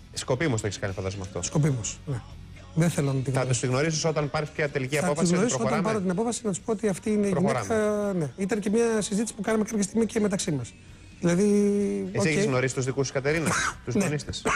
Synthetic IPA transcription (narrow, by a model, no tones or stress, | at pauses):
sko̞piumost̪oeiskɐnifɐnd̪ɐzmɐft̪osko̞pimosne | ðeθelonɐt̪iɣnɐt̪ust̪iɣno̞ɾis̬isot̪ɐnpɐɾispjɐt̪e̞liciɐɐofɐisɣnoɾisɾoot̪ɐmpɐɾot̪inɐpofɐsinɐt̪u̥spo̞ot̪iɐft̪iineiʝɾineɾɐne̞it̪̬ɐnce̞mɲɐsizit̪i̥si̥pukɐnɐmekɐpçɐst̪iɣmiceme̞t̪ɐksimɐs | ðilɐðieoseçezɣno̞ɾisi̥t̪uzðikusu̥skɐt̪e̞ɾinɐst̪uznonist̪es